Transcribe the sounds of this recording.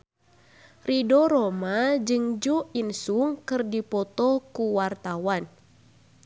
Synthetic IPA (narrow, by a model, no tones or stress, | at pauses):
ridoɾomad͡ʒɨŋd͡ʒuinsuŋkɨrdipɔt̪ɔkuwart̪awan